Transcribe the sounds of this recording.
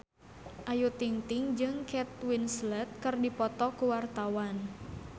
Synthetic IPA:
ʔajut̪iŋt̪iŋd͡ʒɨŋkʰɛt̪̚winslɛt̪̚kɨrdipɔt̪ɔkuwart̪awan

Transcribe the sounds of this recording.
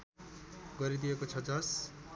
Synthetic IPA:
ɡʌɾid̪ijekot͡sʰʌd͡zʌs

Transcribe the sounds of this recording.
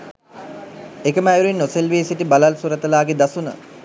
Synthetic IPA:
ekəməæjuɾenːoselʋeːsiʈibalalsuɾət̪əlaːɡed̪asunə̰

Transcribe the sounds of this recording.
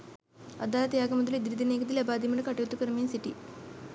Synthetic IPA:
ɐ̰d̪aːlɐt̪ɐjaːɡɐmɐd̪ɐlid̪iɾid̪ineːkɐt̪ilɐbaːd̪imɐɳɐkɐʈːɐt̪ːukːɐɾɐmijɐnsiʈːi

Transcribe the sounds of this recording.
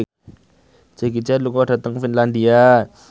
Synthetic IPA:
d͡ʒaɡit͡ʃaluŋɔd̥a̤t̪əŋfinlandia

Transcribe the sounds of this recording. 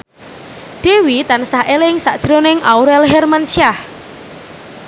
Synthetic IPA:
ɖ̥e̤wit̪ansahʔelɪŋsa̰ʔd̥ʒ̥ɾonɪŋʔauɾɛlɦɛrmansiah

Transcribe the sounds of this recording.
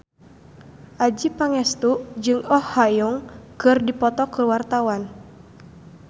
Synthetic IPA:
ʔad͡ʒipaŋɛst̪uʔd͡ʒɨŋɔhːajɔŋkɨrdipɔt̪ɔkərwart̪awan

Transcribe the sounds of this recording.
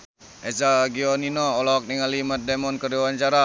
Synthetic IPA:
esaɡiɔninɔɔlɔɔk̚niŋalimat̪̚demɔnkəriwaɲt͡ʃaɾa

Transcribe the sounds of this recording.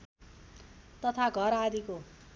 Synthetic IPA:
t̪ʌt̪ʰaɡʱʌɾad̪iko

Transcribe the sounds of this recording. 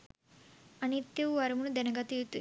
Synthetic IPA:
ɐnit̪jɐʋʋɐɾɐmunud̪ɛnɐɡɐt̪iɾut̪u

